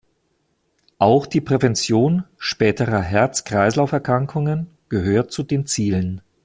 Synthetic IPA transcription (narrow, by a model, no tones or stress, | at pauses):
ʔaʊxd̥iːpʁ̥ɛvɛnt͡sjoːnʃpɛːtʰəʁɐɦɛɐt͡skʁ̥aɪslaʊfɛɐkʁ̥aŋkʰʊŋən | ɡ̥əɦøːɐt̚t͡sudeːnt͡siːlən